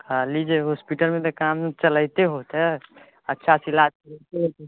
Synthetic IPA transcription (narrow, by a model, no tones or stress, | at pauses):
kʰalid͡ʒeɦospiʈəlmet̪ɔkamt͡ʃələjt̪eɦot̪ɦɛ | ətːʃʰasilad͡ʒkəɾɛt̪eɦot̪e